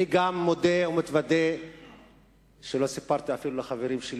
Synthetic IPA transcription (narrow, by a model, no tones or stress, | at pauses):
iɡamːo̞d̪eomet̪vad̪e | ʃelo̞sipaʁt̪iafilulaχaveʁimʃel